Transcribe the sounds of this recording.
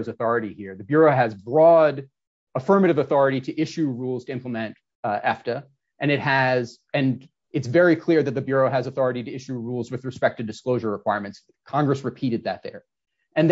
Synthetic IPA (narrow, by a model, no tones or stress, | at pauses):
zɨθɔɹɨɾihiɹðɨbjʊɹoʊɨzbɹɔɾ | əfɜ˞mɨɾɨvəθɔɹɨɾiɾɨʔɪʃʉɹulˠz̥tʰɨɪ̃mpləmɛ̃nt | ɛftɨ | ʔɨ̃ñɨt̚ɦɨz | ɨ̃n | ɨtsvɛɹikʰl̥ɪɹðɨt̪̚ðɨbjʊɹoʊɨzəθɔɹɨɾiɾɨɪʃʉɹulˠzwɨðɹɨspɛk̚tʰɨdɨskloʊʒə˞ɹəkʰw̥aɪɹmɨ̃nts | kʰɑ̃ŋɡɹɨsɹɨpʰiɾɨd̪̚ðɨ̰t̪̚ðə̰˞ | ɨ̃nð